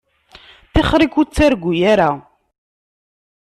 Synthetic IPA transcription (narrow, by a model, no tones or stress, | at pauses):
θɪχɾikut͡sːaɾɡʷujaɾa